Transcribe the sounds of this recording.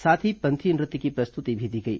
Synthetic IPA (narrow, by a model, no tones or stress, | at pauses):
saːt̪ʰipɐ̃nt̪ʰinɾɪt̪ːikipɾɐst̪ʊt̪ibʱid̪iɡɐḭː